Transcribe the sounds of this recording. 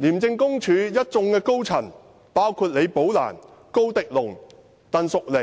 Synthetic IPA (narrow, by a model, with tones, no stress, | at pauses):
liː˨˩mt͡sɪ˧ŋkʊ˥ŋt͡ʃʰyː˨˧jɐ˥t̚t͡sʊ˧ŋkɛː˧ko˥wt͡sʰɐ˨˩n | paː˥wkʰuː˧t̚le˨˧jpo˨˥wla̰ː˨˩n | ko˥wt̪ɪ˨k̚lʊ˨˩ŋ | t̪aː˨nsʊ˨k̚le˨˩